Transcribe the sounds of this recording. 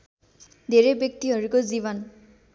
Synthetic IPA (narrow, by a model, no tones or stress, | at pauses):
d̪eɹebjek̚t̪iɦɔɹikɔziβɔn